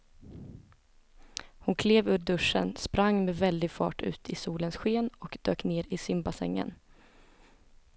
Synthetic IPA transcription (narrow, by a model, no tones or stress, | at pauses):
hʊnkʰleːvʉːɾɖɵʂə̰nspɾaŋːmɛvɛld̪ɪɡfɑ̰ːʈʉ̟̰ːt̪ʰɪsuːlənsɧeːnɔkd̪øːkneːɾɪsɪmbasɛ̰ŋːə̰n